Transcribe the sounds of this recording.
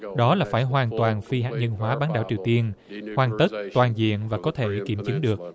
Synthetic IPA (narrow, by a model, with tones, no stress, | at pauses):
ɗɔ˨˦laː˨˩faː˧˩jɦwaː˨˩nt̪waː˨˩nfi˧hɦa̰ː˨˩k̚ɲə˧nɦwaː˨˦ɓaː˨˦nɗaː˧˩wt͡ɕi˨˩əwt̪i˧ənhwaː˨˩nt̪ə˦˥t̚t̪waː˨˩nzḭ˧˨ənvaː˨˩kɔ˨˦t̪ʰe˧˩ki˧˩mt͡ɕɨ˨˦ŋɗɨ˨˩ək̚